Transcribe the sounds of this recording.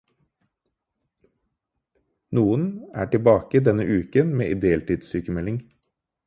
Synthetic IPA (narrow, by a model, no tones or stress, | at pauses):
nuːənæːʈɪbɑːkəd̪ɛnəʔʉːkənmḛːʔɪd̪eːɛlt̪iːd̪syːkəmɛlɪŋ